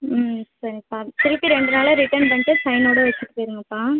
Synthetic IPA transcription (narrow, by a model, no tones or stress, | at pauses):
sɐɾiɐpːaːt̪ɪɾɯpːiɾɛɳɖɯnaːlɐɾɪʈɐnpɐɲʈːɯsɐɪnoːɽɐʋɐt͡ʃːɯʈːɯ̥pːeːɾɯŋɡɐpːaː